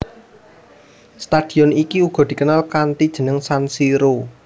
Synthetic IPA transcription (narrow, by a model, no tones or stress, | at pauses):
st̪ad̪̥i̤ɔnikiuɡ̥ɔ̤d̪̥i̤kənalkant̪id̥ʒ̥ə̤nəŋsansiɾo